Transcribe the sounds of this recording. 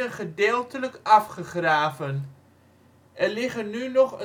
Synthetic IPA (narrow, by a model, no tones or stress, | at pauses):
əχədeːlˠtələkɑfχəχraːvən | ʔɛrlɪχənynɔχə